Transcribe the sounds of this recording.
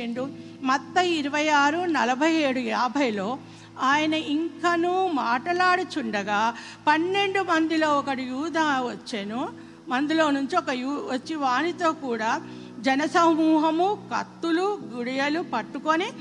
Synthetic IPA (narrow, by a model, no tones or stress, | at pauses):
eɳɖu | mɐt̪ːɐiɾuʋɐjaːɾunɐlɐbʱɐje̞ːɽujaːbʱɐjlo̞ː | aːjɐnɐiŋkɐnuːmaːʈɐlaːɽut͡ʃuɳɖɐɡaː | pɐnːe̞ɳɖumɐnd̪ilo̞ːɔkɐɽijuːd̪ʱaːʋɐt͡ʃːenu | mɐnd̪ilo̞ːnuɲt͡ʃiɔkɐjuʋɐt͡ʃːiʋaːnit̪o̞ːkuːɽaː | d͡ʒɛnɐsɐmuːɦɐmukɐ̰t̪ːuluɡuɽijɐlupɐʈːukoni